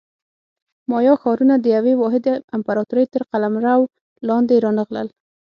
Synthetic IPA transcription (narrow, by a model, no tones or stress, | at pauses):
mɑjɑxɑɾunad̪əjawewɑɦɪd̪ɪmpaɾɑt̪uɾəjt̪əɾqalamɾaw | lɑnd̪eɾɑnəɣlə̰l